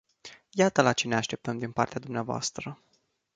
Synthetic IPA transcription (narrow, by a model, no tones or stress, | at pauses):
jat̪əlat͡ʃe̞neaʃt̪e̞p̚t̪əmd̪inpa̰rt̪ead̪umneavoa̰st̪ɾə